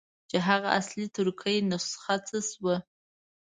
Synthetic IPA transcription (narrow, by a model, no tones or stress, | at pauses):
d͡ʒaɦaʁaʔaslitʰɨrkʰəjnɨsχat͡sʰɨswə